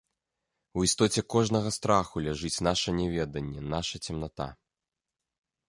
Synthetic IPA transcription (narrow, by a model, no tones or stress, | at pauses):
uist̪ɔt͡sʲɛkɔʐnɐɣɐst̪ɾaxulʲɛʐɨt͡sʲnaʂɐnʲɛvʲɛd̪ɐnʲːɛnaʂɐt͡sʲɛmnat̪a̰